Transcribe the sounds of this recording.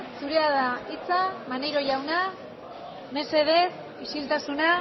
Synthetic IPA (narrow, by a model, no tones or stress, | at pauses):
suɾe̞aðait͡samane̞jɾo̞ʝawna | me̞se̞ð̞e̞s | isilt̪asuna